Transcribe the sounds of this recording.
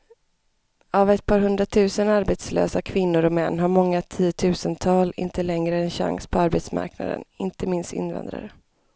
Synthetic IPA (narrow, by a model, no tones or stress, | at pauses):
avɛt̪̚pʰɑːɾɦɵnd̪ɾat̪ʰʉ̟ːsənaɾbɛt̪slø̰ːsakʰvɪnːʊɾɔmɛnːɦaɾmɔŋːat̪ʰiːt̪ʰʉ̟ːsənt̪ʰɑːlɪ̰nt̪əlɛŋɾəɛnɕa̰ŋspʰɔaɾbɛt̪sma̰ɾkna̰d̪ə̰nɪnt̪əmɪnst̪ɪ̰nva̰nd̪ɾa̰ɾə